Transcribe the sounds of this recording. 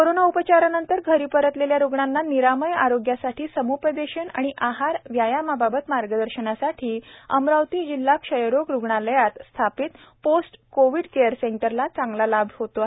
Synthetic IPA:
koɾonaupət͡ɕaɾanənt̪əɾɡʱəɾiːpəɾət̪leljaɾuɡɳanːaniɾaməja̰ɾoɡjasaʈʰiːsəmupəd̪eɕəɳa̰ɽ̃iʔaɦaɾʋjajamababət̪maɾɡəd̪əɾɕəɳasaʈʰiːə̰mɾawt̪iːd͡ʑilːakʂəjɾokɾuɡɳaləjat̪st̪ʰapiːt̪posʈkoʋiɽkejəɾseɳʈəɾlat͡saŋɡlalabʱhot̪o

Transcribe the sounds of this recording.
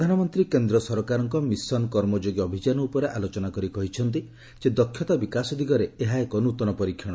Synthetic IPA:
d̪ʱanɔmɔnt̪ɾikend̪ɾɔsɔɾkaɾɔŋkɔmisɔnɔkɔɾmɔd͡ʒoɡjɔbʱid͡ʒanɔupɔɾeʔalot͡ʃɔnakɔɾikɔɦit͡ʃʰɔnt̪̬i | sed̪ɔkʰːjɔt̪abikasɔd̪ʱikɔɾeeɦaekɔnut̪ɔnɔpɔɾikʰːjɔɽ̃ɔ

